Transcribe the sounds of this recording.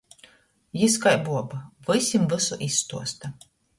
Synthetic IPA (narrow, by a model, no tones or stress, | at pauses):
jiskajbuɔbavɨsʲimvɨsuʔisːt̪uɔst̪a